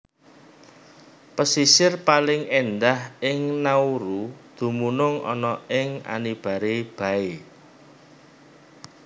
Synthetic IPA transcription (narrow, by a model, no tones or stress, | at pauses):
pəsisɪrpalɪŋend̪ahɪŋnauɾud̪̥ṳmunʊŋɔ̰nɔɪŋa̰nib̥ä̤ɾeb̥ä̤e